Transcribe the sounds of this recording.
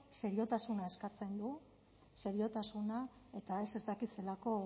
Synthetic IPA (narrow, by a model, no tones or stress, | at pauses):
se̞ɾio̞t̪asunae̞skat͡se̞nd̪u | se̞ɾio̞t̪asunae̞t̪ae̞se̞st̪akit̪se̞lako̞